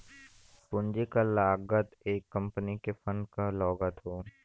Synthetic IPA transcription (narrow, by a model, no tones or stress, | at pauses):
pʊ̃nd͡ʒekalaːɡət̪eːkːɐ̃mpənikefənkalɔːɡət̪ɦoː